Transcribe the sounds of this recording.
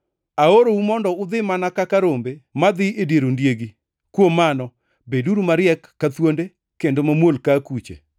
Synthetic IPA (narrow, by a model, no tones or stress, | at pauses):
aoɾowumɔndɔʊd̪ɪmanakakaɾombemad̪ɪedjeɾondjeɡi | kwomːanɔ | beduɾumaɾjɛkːat̪wonde | kendomamwolkakut͡ʃḛ